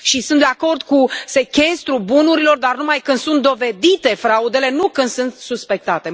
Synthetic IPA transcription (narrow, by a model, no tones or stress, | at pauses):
ʃisunt̪d̪eako̞rd̪kuse̞kʲe̞st̪ɾubunuɾilo̞rd̪arnumajkɨnd̪̥sunt̪̚d̪o̞ve̞d̪it̪e̞fɾaud̪e̞le̞nukɨnd̪sunt̪suspe̞k̚t̪at̪e̞